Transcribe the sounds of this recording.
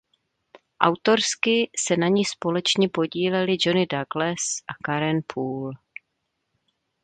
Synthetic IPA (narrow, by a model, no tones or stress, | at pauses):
ʔa̰wt̪o̞ɾskɪsɛnaɲiːspo̞lɛt͡ʃɲɛpo̞ɟiːlɛlɪd͡ʒo̞nɪdaɡlɛsʔakaɾɛnpʰuːl